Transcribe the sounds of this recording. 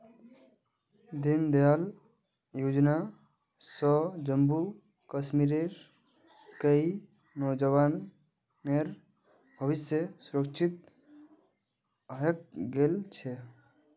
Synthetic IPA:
d̪ind̪ejal | jud͡ʒna | sɔd͡ʒəmbu | kəsmiɾeɾ | kəi | nɔd͡ʒəʋan | eɾ | bʱʌβisjəsuɾəkt͡ʃʰit̪̚ | ʌek̚ɡelt͡ʃʰe

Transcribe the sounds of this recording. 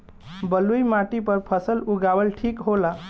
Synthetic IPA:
bəlujmaʈipəɾpʰəsəluɡaʋəlʈʰiːkɦola

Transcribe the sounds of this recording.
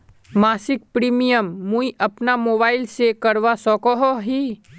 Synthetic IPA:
maːsɪk̚pɾiːmijəmːũiʔɐpnamoːbaːɪlsekɐɾʋasɔkɔɦɔɦiː

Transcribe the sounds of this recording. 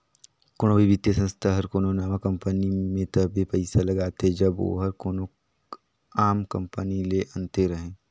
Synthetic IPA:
koːɽ̃õʋibɪt̪jəsɐ̃nst̪ʰaɦɐɾkoːnonaːmakɐ̃mpənimẽt̪ɐbʱipɛɪsalɐɡaːt̪ed͡ʒɐbʋo̰ɦɐɾkoːno | aːmkɐ̃mpənileʔɐ̃nt̪eɾɐɦẽː

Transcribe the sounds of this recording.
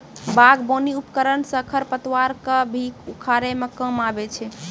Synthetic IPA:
baɡboniupkəɾənsəkʰəɾpət̪waɾkəbʱikukʰaɾemekəmabet͡ʃʰɛ

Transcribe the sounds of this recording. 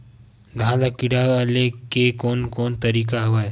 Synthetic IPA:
d̪ʱaːlakɪɽaəlekekoːnkoːnt̪əɾiːkaɦʊaːɦe

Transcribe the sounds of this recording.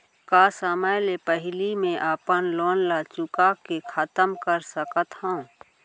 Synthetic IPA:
kaːsəməjlepəɦɪlimẽʔaːpənloːnlat͡ʃʊkakekʰət̪əmkəɾsəkət̪hãũ

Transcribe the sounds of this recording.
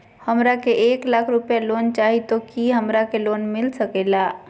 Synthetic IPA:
həmɾakeʔeklakʰɾupjalont͡ʃaɦit̪okiɦəmɾakelonmilsəkela

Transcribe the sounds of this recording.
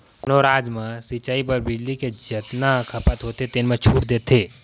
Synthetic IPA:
kʊnoɾaːd͡ʒmãsit͡ʃaːibəɾbɪd͡ʒliked͡ʒɐt̪nakʰɐpət̪ɦoːt̪et̪enmẽt͡ʃʰuːʈd̪eːt̪ʰːeː

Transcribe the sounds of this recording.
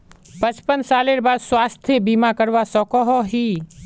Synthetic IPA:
pə̃t͡ʃpənsaːleɾbaːd̪swaːst̪ʰjəbiːmakəɾʋasɔkɔɦɔɦiː

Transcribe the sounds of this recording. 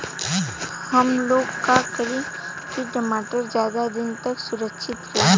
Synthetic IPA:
hɐmloːɡkakəɾẽ | kiʈəmaːʈəɾzjaːd̪ad̪ɪnt̪ɐksʊɾəkʃʰɪt̪ɾɐe

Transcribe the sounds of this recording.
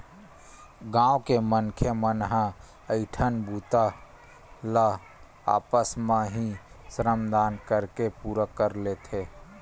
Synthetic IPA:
ɡãːokemənkʰemənɦə̃ | əɪʈʰənbuːt̪a | lə | a̰ːpəsmãɦĩsɾəmd̪aːnkəɾkepuɾəkəɾlet̪ʰe

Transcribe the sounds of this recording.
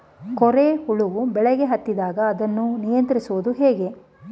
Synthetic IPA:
kɔɾehuɭuʋubɛɭɛɡeɦɐt̪ːid̪aːɡɐːd̪ɐnːunijɐnt̪ɾisuʋud̪uɦɛːɡe̞

